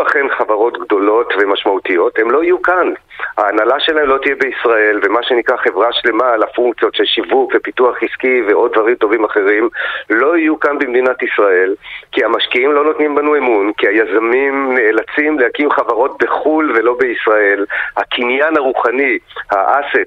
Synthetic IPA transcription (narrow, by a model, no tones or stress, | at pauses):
aχe̞nχavaʁo̞tɡd̪o̞lo̞tve̞maʃmautijo̞the̞mlo̞ijukanha̰ːnalaʃelahemlo̞t̪ijebeisʁae̞lve̞maʃe̞nikʁaχe̞vʁaʃle̞malafuŋkt͡sjo̞tʃelʃivukvepituaχiskiveʔo̞d̪̚dvaʁimto̞vimaχe̞ʁimlo̞ijukanbemd̪inatisʁae̞lkiamaʃkiimlo̞no̞tnimbanue̞munkiajazamimne̞ːlat͡simlehakimχavaʁo̞t̚beχulve̞lo̞beisʁae̞lhakʰinjanaʁuχanihaʔase̞t